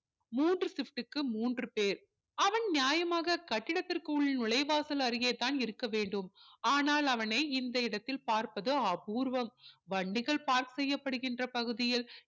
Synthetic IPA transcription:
muːndrɯsɪfʈɯkːɯmuːndrɯpeːɾ | ɐʋɐnnjaːjɐmaːɣɐkɐʈːɪɽɐt̪ːɪrkɯʊɭːnʊɭɐɪʋaːsɐlɐɾɪjeːt̪ːaːnɪɾɯkːɐʋeːɳɖɯmaːnaːlɐʋɐnɐɪɪnd̪ɐɪɽɐt̪ːɪlpaːɾpɐðɯɐpuːɾʋɐmʋɐɳɖɪɣɐɭpaːɾksɛjːɐpːɐɽɯɣɪndrɐpɐɣɯðɪjɪl

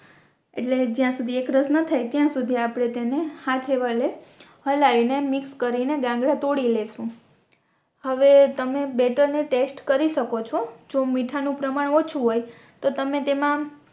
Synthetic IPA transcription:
ḛʈled͡ʒjãsud̪ʱiekɾəsnət̪ʰajt̪jãsud̪ʱiapɽ̃et̪enehat̪ʰeʋalehəlainemɪkskəɾineɡãŋɡɽãt̪oɽileʃũ | həʋet̪əmebɛʈəɾneʈesʈkəɾiʃəkot͡ʃʰɔd͡ʒomiʈʰanũpɾəmaɽot͡ʃʰuɦoj | t̪ot̪əmet̪emã

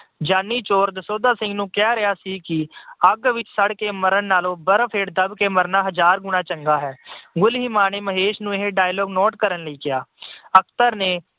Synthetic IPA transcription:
d͡ʒaːnːiːt͡ʃoːɾd̪əsoːd̪aːsɪ̃ŋɡnũːkɛaːɾɪaːsiːkɪəɡʋɪt͡ʃsəɽkeːməɾənːaːlõːbəɾpʰeːʈd̪əbkeːməɾnaːɦəd͡ʒaːɾɡʊnãːt͡ʃəŋɡaːɦɛːɡʊlɦiːmaːneːməɦeːʃnũːɪɦeɖaːjlɔːɡnɔːʈkəɾənləiːkɪaːəkʰt̪əɾneː

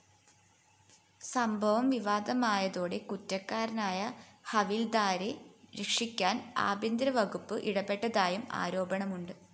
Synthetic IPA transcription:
sɐmbʱɐʋɐmʋiʋaːd̪ɐmaːjɐðo̞ːɽe̞kutːɐkːaːɾɐnaːjɐhɐʋild̪aːɾeɾekʂikʲːaːna̰ːbɐnd̪ɾɐʋɐɡupːɨʔiɽɐpːe̞ʈːɐðaːjuma̰ːɾo̞ːbɐɳɐmuɳɖɨ

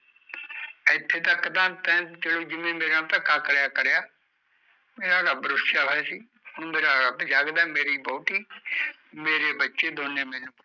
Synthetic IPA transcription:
ɪt̪ʰːeːt̪əkːd̪ãːt̪ɛ̃ːd͡ʒeːɽoːd͡ʒɪmẽːmeːɾãt̪ə̃kaːkəɽjaːkəɾjaː | meːɾaːɾəbɾʊsjaːɦɛːsiː | hʊɳ̃meːɾaːɾəbd͡ʒaːɡd̪aːmeːɾiːbɔːʈ̪iː | meːɾeːbətːʃeːd̪oːnẽːmɛ̃ːnũː

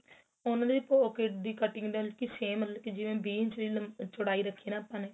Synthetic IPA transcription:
ʊnãːd̪iːpɔːkeːʈ̚d̪iːkəʈɪŋɡɖ̪elkiseːməlkid͡ʒɪʋẽːbiːnt͡ʃliːlt͡ʃʊɽaːiːɾəkʰːeːnãːpːãːneː

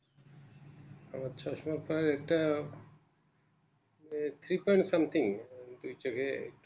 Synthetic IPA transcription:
amat͡ɕʰɔʃmaɾpaeɾɛk̚ʈa | t̪ʰɾipɔjɳʈsamt̪ʰiŋd̪ujt͡ɕokʰeḛk

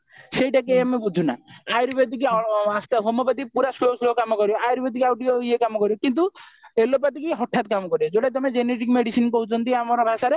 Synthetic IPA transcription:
sejʈakejamebud͡ʒʱuna̰ajɾbed̪ikiast̪aɦomɔbad̪ipuɾasloslokamɔkɔɾibɔajɾbed̪ikiawɖijojekamɔkɔɾiɔkint̪̬uelop̬at̪ikiɦɔʈʰat̪kamɔkɔɾibɔd͡ʒoʈat̪ɔmed͡ʒeneʈikmeɽisinkɔɦut͡ʃʰɔnt̪iamɔɾɔbʱasaɾe

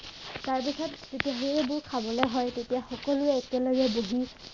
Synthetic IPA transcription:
taɹp̬isɔtzitiaɦiɛbʊɹkʰabɔlɛɦɔjtetijaxɔkɔlʊɛːkɛlɔɡɛboɦi

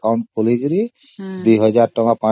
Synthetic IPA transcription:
awɳʈ̚koliɡɾi | d̪ujɦɔd͡ʒaɾʈɔŋapã

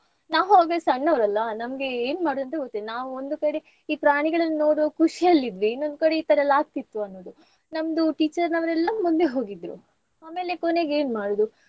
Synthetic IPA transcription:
naːʋuaːɡɐsɐɳːɐʋɾɐlːɐnɐmɐɡe̞eːnmaːɽud̪ɐnt̪ɐɡot̪ːid̪naːʋuond̪ukɐɽe | iːpɾaːɳiɡɐɭɐnːno̞ːɽokuʂijɐlːid̪ʋinond̪ukɐɽe̞iːt̪ɐɾɐlːaːɡ̚t̪it̪ːuɐnːoːd̪u | nɐmɐd̪uʈiːt͡ʃɐɾnɐʋɐɾɛlːɐmund̪e̞ɦo̞ːɡid̪ɾṵ | aːme̞ːle̞kone̞ɡe̞ːnmaːɽoːd̪u

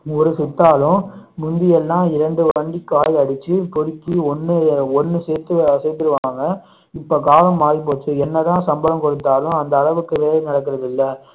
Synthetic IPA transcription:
ɔɾɯsʊt̪ːaːlʊ̃mʊnd̪ɪjɛlːãːɪɾɐɳɖɯʋɐɳɖikːaːjɐɽɯt͡ʃːɯpɔɽɪkːiɔnːɯɔnːɯseːɾt̪ːɯseːɾt̪ːɪɾɯʋaːŋɡɐ | ɪpːoːkaːlɐmːaːðip̬oːt̪ːɯɛnːɐt̪ãːsɐmbɐlɐmkɔɽɯt̪ːaːlʊ̃ɐnd̪ɐːɭɐʋɯkːɯʋeːlɐnɪɽɐkːɪɾɐðɪlːɐ

